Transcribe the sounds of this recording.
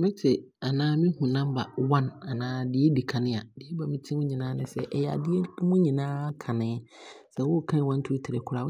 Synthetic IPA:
mɪ̃˦tʰɪ˨ | a˨nãː˦mĩ˦hũ˨nã˦mba̰˨wã˦na˨nãː˦dɪ˦ɛ˦di˨kʰã˨nɪ̃˦a˨dɪ˦ɛ˦ba˨mɪ̃˦tʰĩ˦mʊ̃˦ɲĩ˨nãː˦nɪ̃˦sɛ̰˨ʔɛ˨ja̰˨dɪ˦ɛ˦mũ˦ɲĩ˨nãː˦kʰã˨nɪ̃˨˦ | sɛ˨wʊ˦˨kʰã˦˨wã˦n˦tʰʊ˦tʰɪ˨ɾɪ˨kʰʊ˨˦ɾa˨˦

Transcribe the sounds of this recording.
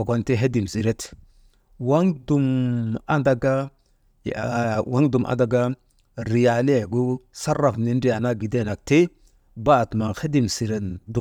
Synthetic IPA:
a˨ɡo˨nti˦ɦe˦di˨msi˨ɾe˦t | wa˦ŋdu˨ma˦da˨ɡa˦ | jwa˦ŋdu˨mʔa̰˨da˨ɡa˦ | ɾi˨ja˨le˦˨ɡu˦sa˦rːa˨fni˦ndi˦a˨na˦ɡi˨de˦˨na˨k̚te˦ | ba˦˨tma˨xe˦di˦˨msi˨ɾe˨ndu˨

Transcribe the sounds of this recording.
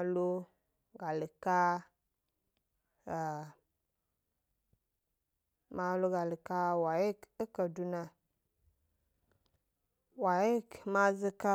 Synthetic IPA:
lo˦ | ɡa˨li˨ka˦˨ | ma˨˦lo˦ɡa˨li˨ka˦wa˨je˦kə˦kə˨du˦na˦ | wa˨je˦kma˦zi˦ka˦

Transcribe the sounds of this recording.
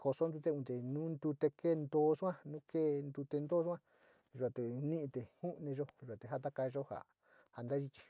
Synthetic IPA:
kʰo˧so˧˦nd̪u˧t̪e˦ũ˧t̪e˨nũ˦nd̪u˧t̪e˧ke˦˨˧nd̪o˦˧sã˦nũ˦ke˦˨nd̪u˧t̪e˧nd̪o˦˧sʷã˦ | ʒa˨t̪e˨nĩ˦ʔĩ˧t̪e˨hu˦ʔnẽ˧ʒo˧˦ʒa˨t̪e˨ɦa˦t̪̬a˦ka˧ʒo˦ha̰˨ | ha˨nd̪a˦ʒi˦t͡ʃi̥˧

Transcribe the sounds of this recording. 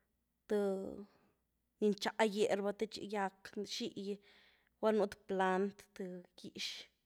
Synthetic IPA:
t̪ɨ˧ | ni˧nt͡ʃa˧˨ʔje˨ɾba˧t̪e˧t͡ʃḭ˧ja˧kʃi˦ʔj | wa˦nu˧t̪pla˧nt̪t̪ɨ˧ki˨ʃ

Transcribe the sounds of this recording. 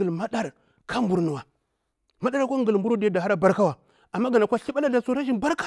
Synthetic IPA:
ə˨lma˦ɗa˦ɾ | kʰa˦mbu˨ɾnu˨wa˨ | ma˦ɗa˦ɾa˦kʷa˦ŋ˦ɡə˨lmbu˦ɾo˦di˦ja˦da˨ɦa˦ɾa˦ba˦ɾka˦wa˨ | a˨mːa˦ɡa˨na˨kʷa˦ɬi˦ɓa˦la˦da˨so˨ɾa˦ʒi˦nba˦ɾka˦

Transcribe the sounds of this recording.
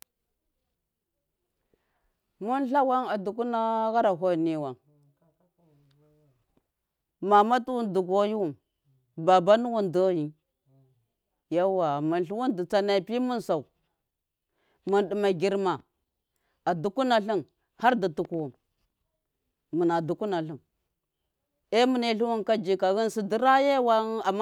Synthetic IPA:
mu˦nɬa˦wa˦ŋa˨du˨k̬u˦na˦ɣa˦ɾa˨ɦo˦˨ni˨wa˨ŋ | ma˨ma˦tu˦wu˦ndu˨ɡo˦ji˦wu˨m | ba˨ba˦nu˦wu˦ndo˦ji˦ | ja˦wa˨mu˨nɬu˦wu˦ndi˨t͡sa˨˦na˨pi˦mu˦nsa˨u˨ | mu˨nɗi˨ma˨ɡi˨ɾma˨ | a˨du˨ku˦na˨ɬi˦ŋ | ha˦ɾdi˨tu˨ku˨wu˨m | mu˨na˨du˨ku˦na˨ɬi˨ŋ | e˦mu˨ne˦ɬu˦wu˦nka˦d͡ʒi˨ka˨ɣi˦nsi˨di˦ɾa˦je˦wa˦a˨m˦

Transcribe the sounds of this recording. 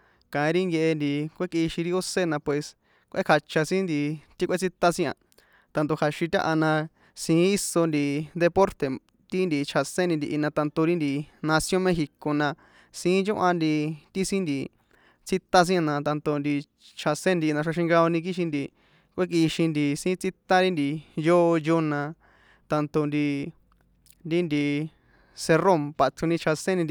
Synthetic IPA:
kã˨ĩ˧ɾi˦ŋɡe˧ʔe˧nd̪i˨kʷe˦ki˧ʃĩ˧ɾi˦o˦se˦nã˧pwe˨s | kʷʔḛ˦kʰa˧t͡ʃa˧sĩ˦nd̪i˧t̪i˦kʷe˦t͡sʰi˦t̪a˦sĩ˦ã̰˧ | t̪ã˧nt̪̬o˧kʰa˨ʃĩ˧t̪ʲã̰˦˧ʔa˧nã˧ | sĩ˨˧˦i˦so˧nd̪i˨d̪e˧po˦ɾt̪e˨ | t̪i˦nd̪i˨t͡ʃʰa˨sẽ˦nĩ˧d̪i˧ʔi˧nã˧t̪ã˧nt̪o˧ɾi˦nd̪i˨nã˧sjõ˦mẽ˧xi˧ko˨nã˧ | sĩ˧˦t͡ʃõ˦ʔa˧nd̪i˧t̪i˦sĩ˦nd̪i˧ | t͡si˦t̪a˦s̬ĩ˦ã˧nã˧t̪ã˧nt̪o˧nd̪i˧ | t͡ʃʰa˧sẽ˦˧nd̪i˧nã˧ʂ̬a˧ʃ̬ĩ˧ŋɡa˧o˧nĩ˧k̬i˦ʃ̬ĩ˧nd̪i˧ | kʷe˦k̬i˧ʃĩ˧nd̪i˧sĩː˦t͡si˦t̪a˦ɾi˦nd̪i˧joː˦˧jo˦nã˧ | t̪ã˧nt̪o˧nd̪i˧ | ɾi˦nd̪i˧ | se˧ro˦˨mpa˧t͡ʃũ˧nĩ˧t͡ʃʰa˧sẽ˦nĩ˧n˧

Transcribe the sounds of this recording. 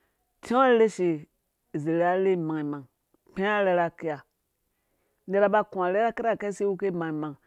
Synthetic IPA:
tĩ˦le˦ʃi˨ | ze˨la˦le˦˨mã˨i˨mã˨ŋ | pẽ˦a˦lɛ˧˦ɾa˧ke˧˦a˨ | n̩˦de˧ɾa˧ba˧kũ˨ã˨lɛ˦ɾa˦ke˦ɾa˦˨ke˦se˦wu˦ke˦˨mã˨i˨mã˨ŋ

